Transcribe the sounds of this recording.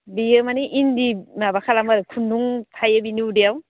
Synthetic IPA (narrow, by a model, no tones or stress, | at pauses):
bijɯmaniʔindimabakʰalamaɾkʰunduŋtʰajebiniudeaw